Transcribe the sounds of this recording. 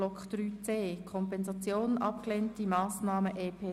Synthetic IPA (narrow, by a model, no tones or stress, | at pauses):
ɔkd̥ɾyːt͡seːkʰɔmpɛnzɑt͡sjoːnnʔɑ̰pkleːntimɑːsnɑːməʔeːpʰeː